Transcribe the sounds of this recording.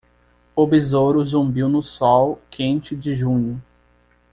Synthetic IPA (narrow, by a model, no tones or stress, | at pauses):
obizoɾʊzũmbiwnʊsɔwkʰẽnt͡ʃɪd͡ʒɪʒũɲʊ